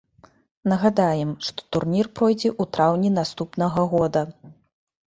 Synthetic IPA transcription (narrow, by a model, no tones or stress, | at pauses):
nɐɣad̪ajɛmʂt̪ɔ̥t̪urnʲirpɾɔjd͡zʲɛʔut̪ɾawnʲinast̪upnɐɣɐɣɔd̪ɐ